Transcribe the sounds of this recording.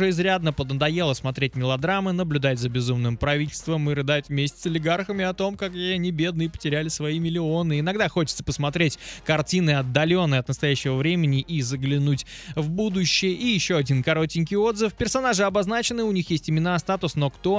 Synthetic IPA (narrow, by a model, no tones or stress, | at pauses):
əɪzɾʲad̪nəpəd̪nəd̪ɐje̞lˠəsmɐt̪ɾʲetʲmʲɪlˠɐd̪ɾamɨnəblʲʉd̪atʲzəbʲɪzumnɨmpɾɐvʲit̪̬ʲɪlʲst̪vəmɨrɨd̪atʲvmʲesʲtʲɪ̥sɐlʲɪɡarxəmʲɪɐt̪o̞mkakjɪɐnʲibʲed̪nɨjəpə̥tʲɪɾʲælʲɪsvɐimʲɪlʲɪo̞nɨɪnɐɡd̪axo̞t͡ɕɪ̥t̪sə̥pəsmɐt̪ɾʲetʲkɐrtʲinɨɐd̪ːɐlʲo̞nːɨjɐt̪nəst̪ɐjæɕːɪvəvɾʲemʲɪnʲɪʔizəɡlʲɪnutʲ | vbud̪ʊɕːɪjəʔijɪɕːo̞ɐdʲinkɐɾo̞tʲɪnʲk̬ʲɪjo̞d̪zɨfpʲɪrsɐnaʐɨɐbɐznat͡ɕɪnɨʊnʲixjesʲtʲɪmʲɪnast̪at̪ʊsno̞kt̪o̞